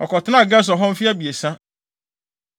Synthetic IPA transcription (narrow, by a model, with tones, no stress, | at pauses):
ɔ̰˨kɔ˨tɪ˦nã˦˨ɡɛ˦s̬ɔ˨ɦɔ̃˦m̩˦fi˦a˦bi˨e˨sã˦